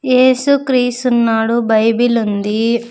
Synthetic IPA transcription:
jeːsukɾiːst̪unːaːɽubɐjbilund̪i

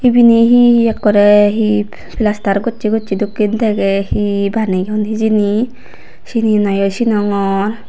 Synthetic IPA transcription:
ibiniɦiiɛkːɔɾɛɦi | pʰilast̪aɾɡɔtt͡ʃʰiɡɔtt͡ʃʰid̪ukːint̪ʰeɡɛhibaniɡɔnɦid͡ʒini | sininajɔsinɔŋɔɾ

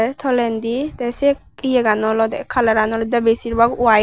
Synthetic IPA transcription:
t̪ʰɔlɛnd̪it̪ɛsɛk | ijɛɡanɔlɔd̪ɛkʰalaɾanɔlɔd̪abɛsiɾbaɡua

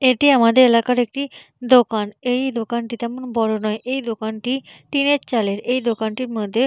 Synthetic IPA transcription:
eʈiamad̪eɾelakaɾek̚ʈi | d̪okanejd̪okanʈit̪ɛmonbɔɾonɔeʔejd̪okanʈiʈinett͡ɕaleɾejd̪okanʈiɾmod̪ʱːe

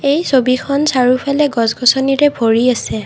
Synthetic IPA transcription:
ejsobikʰɔnsaɹupʰalɛɡɔsɡɔsɔniɹɛbʱoɹiasɛ

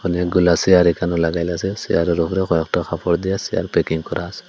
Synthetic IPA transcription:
ɔniaɡulasijaɾikanɔlaɡajlasɛsijaɾɔɾupʰɾɛxɔjɔktɔxʰapɔɾd̪ijasija̰ɾpɛkiŋkɔɾase̥

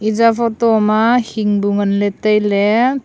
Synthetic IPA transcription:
izapʰɔtɔmahiŋbuŋanletajle

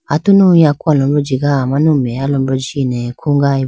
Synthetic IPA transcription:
atunũakualɔmɾɔd͡ʒiɡaamãnũmɛjalɔmbɔd͡ʒinɛkʰuŋɡai

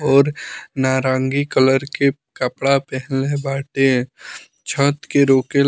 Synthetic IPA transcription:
ɔːɾnaːɾãːŋɡikələɾke | kəpɽapɛɦlebaːʈe | t͡ʃʰət̪keɾoːke

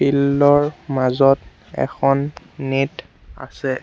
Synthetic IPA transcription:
pilːɔɹmazɔt | ɛ̰xʰɔnː | it | a̰sɛ

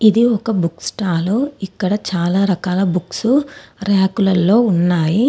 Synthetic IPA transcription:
id̪iɔkɐbuksʈaːluikːɐɽɐt͡ʃaːlaːɾɐkaːlɐbuksuɾaːkulɐlːo̞ːunːaːji

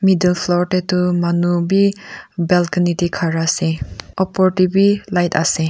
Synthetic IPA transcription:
midelpʰlɔɾtetumanubibelkinitikʰaɾaseɔpɔɾtibilajtʰa̰se

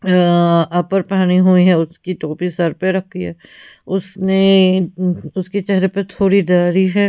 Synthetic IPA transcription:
ɐpɐɾpaːñiɦuiɦɛʊskiʈoːpisɐɾpeɾɐkʰːiɦɛ̰ːʊsne | ʊsket͡ʃɛɦɾepɐt̪ʰoːɾid̪aːɾiɦɛː

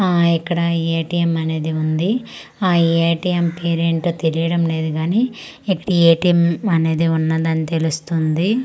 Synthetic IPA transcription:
aːikːɐɽɐieːʈiːjemɐne̞ːd̪iund̪i | aːieːʈijempeːɾieɳʈoːt̪eɾijɐɽɐmle̞ːd̪iɡaːniː | ikːɐ̥ɽɐeːʈimɐne̞ːd̪iunːɐd̪ɐnːit̪e̞lust̪und̪i

